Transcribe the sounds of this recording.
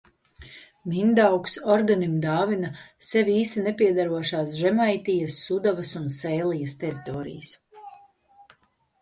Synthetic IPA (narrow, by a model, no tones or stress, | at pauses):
mind̪awksɔɾd̪animd̪aːvinasɛvʲiːst̪inɛpiɛd̪aɾuɔʃaːs̬ʒɛmajt̪ijɐsːud̪avɐsunsɛjlˠijɐst̪ɛɾit̪ɔːɾḭjs